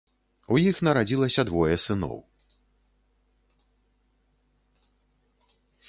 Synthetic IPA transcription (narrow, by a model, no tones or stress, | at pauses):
ujixnɐɾad͡zʲilˠɐsʲɐd̪vɔjɛsɨnɔ̰w